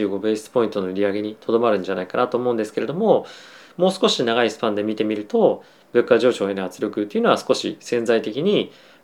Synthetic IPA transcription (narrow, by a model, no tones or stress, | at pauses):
ɨːɡo̞be̞ːsi̥ɨ̥po̞ĩnt̪o̞no̞iɾʲiaɡe̞ɲ̟it̪ʰo̞d̪o̞maɾɯ̟̃ɲ̟d͡ʑanaikanat̪oːmo̞ɯ̟nd̪eske̞ɾe̞d̪o̞mo̞ | mo̞ːsɨ̥ko̞ɕinaɣaisɨ̥pãnd̪e̞mʲit̪e̞mʲiɾɯ̟t̪o̞ | bɯ̟kːaʑo̞ːɕo̞ːenohat͡sɨɾʲo̞kɯ̟t̪ːe̞iɯ̟noasɨ̥ko̞ɕḭsẽ̞nd͡zait̪e̞kʲiɲ̟i